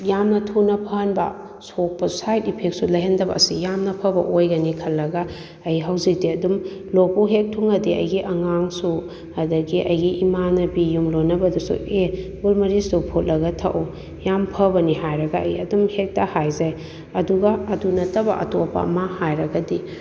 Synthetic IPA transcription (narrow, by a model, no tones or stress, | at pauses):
jamnɐtʰunɐpʰɐhɐnbɐ̰ | sok̚pɐsajtipʰek̚sulɐjɦɐndɐbɐ̰ːsijamnɐpʰɐbɐʔojɡɐnikʰɐlːɐɡɐ | ɐjɦɐwzik̚diɐdum | lopuɦek̚tʰuŋɐdiʔɐ̰jɡiʔɐŋaŋsu | ɐdɐɡiʔɐjɡiʔimanɐbijumlonɐbɐdusṵebulmɐɾisupʰot̚lɐɡɐtʰa̰ʔo | jampʰɐbɐniɦajɾɐɡɐɐ̰jɐdumhek̚tɐhajzaj | ɐduɡɐːdunɐtɐbɐ̰ʔɐ̰topɐ̰ɐ̰mahajɾɐɡɐdi